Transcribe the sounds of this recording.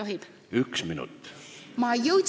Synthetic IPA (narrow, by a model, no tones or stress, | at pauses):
oɦib̥ | yksminṵt̪ːmɑjɤw